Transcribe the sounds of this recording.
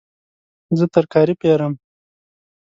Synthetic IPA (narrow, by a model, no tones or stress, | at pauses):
zət̪əɾkɑːɾipeɾəm